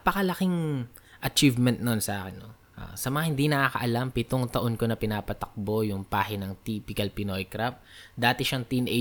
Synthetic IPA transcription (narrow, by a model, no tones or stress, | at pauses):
pɐkɐlɐkɪŋ | ʔɐt͡ʃivmɛnt̪̚nonsɐʔaːkɛnːo | ʔa̰sɐmɐŋahɪnd̪inɐkakɐ̰ʔɐlampɪt̪oŋt̪ɐʔonko̞nɐpɪnaːpɐt̪ɐk̚bo̞jʊŋpaːhɪnɐŋt̪iːpɪkɐlpɪno̞jkɾap̚d̪aːt̪ɛʃaŋt̪inʔɛ